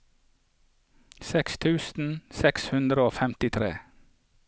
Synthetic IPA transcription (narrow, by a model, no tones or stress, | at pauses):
sɛkst̪ʰʉːsn̩sɛkshʉnd̪ɾəoːfɛmt̪ɪt̪ʰɾḛː